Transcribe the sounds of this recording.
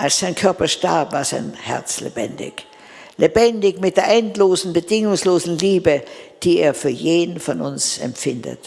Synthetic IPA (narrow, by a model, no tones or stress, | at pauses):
ʔalsz̥aɪnkʰœɐpɐʃtaɐpvaːɐzaɪnhɛ̰ɐt͡slḛbɛ̰ndɪ̰ç | lebɛndɪçmɪt̚d̥eːɐʔɛntloːzn̩bədɪŋʊŋsloːzn̩liːbəd̥iːeːɐfyːɐjeːdn̩fɔnʊ̰nsɛ̰mfɪndə̰t